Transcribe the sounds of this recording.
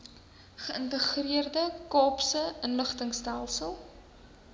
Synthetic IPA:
χəəntəχriərdəkɑːpsəʔənləχtəŋstælˠsəlˠ

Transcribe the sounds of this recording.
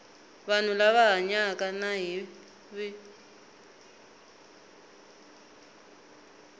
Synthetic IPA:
βan̤ulaβaɦaɲakanaɦi | βi

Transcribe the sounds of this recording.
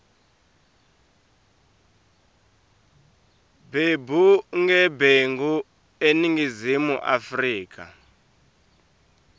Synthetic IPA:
bebuŋɡɛbeŋɡu | eniŋɡizimuʔa̰friːka̰

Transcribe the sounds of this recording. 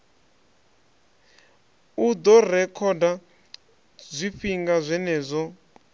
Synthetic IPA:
ud̪ɔrɛkʰɔda | zʷifiŋɡazʷɛnɛːzʷɔ

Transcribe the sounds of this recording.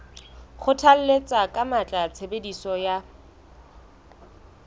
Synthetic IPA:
χʊtʰal̩let͡sʼakʼamat͡ɬʼat͡sʰebedisɔja

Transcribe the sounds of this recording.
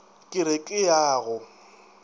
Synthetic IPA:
kʼɪɾekʼɪjaːɣʊ

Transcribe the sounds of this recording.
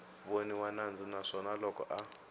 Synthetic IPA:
βoniwanand͡zinaʂɔnalɔkɔ̰ʔa

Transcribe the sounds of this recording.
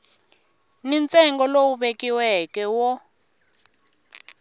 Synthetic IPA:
nint͡sʼɛŋɡɔlowuɓekiwɛkɛwɔ

